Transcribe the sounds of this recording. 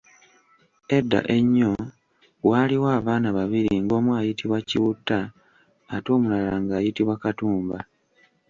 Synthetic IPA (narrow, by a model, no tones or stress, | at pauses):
e̞dːa̰ʔe̞ɲːo̞ | waːliwaːβaːnaβaβiɾiŋɡo̞ːmwaːjitiβwaciβutːaː | to̞ːmulalaŋɡaːjitiβwakatuːmba